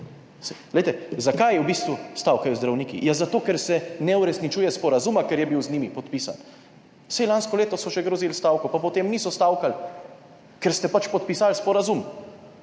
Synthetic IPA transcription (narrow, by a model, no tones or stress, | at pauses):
sɛlɛjt̪ɛzakajɛwbist̪ʋust̪awkajuzd̪ɾawniːkḭjazat̪oːkɛɾsɛnɛuɾɛsnit͡ʃuːjɛspɔɾazumakɛɾjɛbiwzniːmipɔt̪piːsa̰n | sɛjlanskɔleːt̪ɔsɔʃɛɡɾozilst̪awkɔpapɔt̪eːmnisɔst̪awkal | kɛɾst̪ɛpat͡ʃpɔt̪̚pisalspɔɾazum